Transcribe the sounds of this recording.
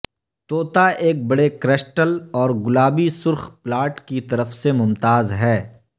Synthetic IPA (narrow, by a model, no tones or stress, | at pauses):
t̪oːt̪aʔeːk̚bɐɽekɾesʈəlɔːɾɡʊlaːbisʊɾxplaːɾʈkit̪ɐɾəfsemʊmt̪aːzɦɛː